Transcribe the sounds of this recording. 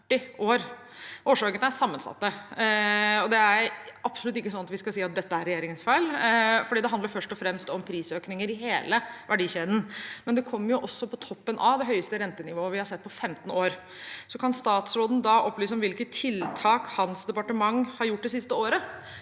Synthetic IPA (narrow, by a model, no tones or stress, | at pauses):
ʈːɪʔoːɾ | hoːʂɑːɡənæsɑmːənsɑ̰t̪ːə | ɔd̪ɛæɾɾʔɑpsʊlʉt̪ːɪkːəs̬ɔnːɑt̪ʋɪskɑlsiːɑt̪̚d̪ɛt̪ːəæɾɛjeːɾɪŋənsfæɪlfɔɖiːd̪ɛɦɑnd̪əɾfœʂʈɔfɾɛmst̪ɔmpʰɾiːsøːknɪŋəɾɪheːləʋæɖiːçeːd̪n̩mɛnd̪ɛkʰɔmːəɾjʊʔɔsːɔpʰɔt̪ʰɔpːənʔɑʋd̪ɛɦœʏəst̪əɾɛnt̪ənɪʋoːəʋɪhɑɾsɛt̪ːpʰɔfɛmt̪n̩oːɾ | sɔkʰɑnst̪ɑːt̪sɾoːd̪n̩d̪ɑʔɔpːlyːsəɔmʋɪlkət̪ʰːɪlt̪ʰɑːkhɑnsd̪ɛpɑʈəmɑŋːhɑɾjʊʈːd̪ɛsɪst̪əoːɾə